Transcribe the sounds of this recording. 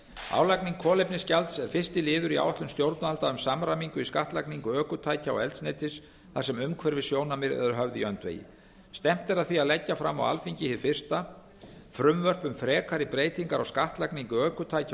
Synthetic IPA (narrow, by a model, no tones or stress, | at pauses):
a̰ːwlakniŋkʰːɔːlejpnɪscalt̪sɛɾ̥fɪrst̪ɪlɪːðʏɾia̰wat̪lʏmst̪jowɾt̪nʏalt̪aʏmsamɾamiŋkʏiskaht̪lakniŋkʏœːkʏt̪ʰaːjcaɔ̰ɛlt̪snɛjt̪ɪs | θasɛmʏmkʰvɛɾvɪsjoːwnamɪɾɛ̰ðʏɾɦœvðɪḭœnt̪vḛːjɪ̰ | st̪ɛm̥t̪ɛɾaðθiaðlɛcːafɾamːa̰wa̰lfiɲcɪhɪɾfɪr̥st̪a | fɾʏmvœr̥pʏmfɾɛːkʰaɾɪpɾeːjt̪iŋkaɾɔɣskaht̪lakniŋkʏœːkʏt̪ʰaːjca